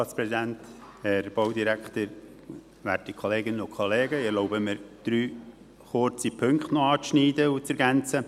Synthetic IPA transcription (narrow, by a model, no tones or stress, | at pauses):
tɑːtspɾɛzid̪ænt̪hɛɾb̥owd̪iɾækχt̪əɾ | ʋæːtikʰoleːɡɪnənʊkχoleːɡəɪɛɾloʊbəmɪɾd̪̥ɾyː | χʊɾt͡sipʰɵŋkχt̪noɑːt͡sʃniːdəut͡sɛɾɡænt͡sə